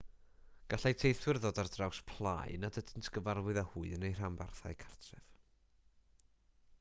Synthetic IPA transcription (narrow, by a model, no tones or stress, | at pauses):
ɡ̥aɬajtʰejθwɨrðoːdardrawspʰlˠa̰jnadədəntʰɡ̥əvarwɨðahuɨənejr̥ambarθa̰jkʰartʰrɛv̥